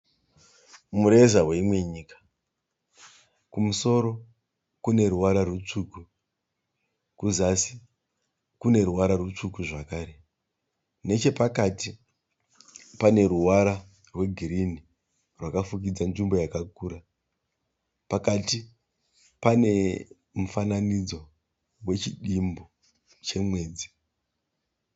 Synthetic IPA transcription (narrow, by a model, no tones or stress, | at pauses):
muɾezaweimwe̞ɲiːkḁ | kumuso̞ɾo̞ | kune̞ɾuwaɾarut͡ʂuːku | kuzasi | kune̞ɾuwaɾarut͡ʂukuʐakaːɾe̞ | ne̞t͡ʃe̞pakati | pane̞ɾuwaɾa | rwe̞ɡʱiɾini | rwakafuk̬id͡zanʐimbo̞jakakuːɾa | pakati | pane̞ | mufananid͡zo̞ | we̞t͡ʃiɗimbo | t͡ʃe̞mweːd͡zi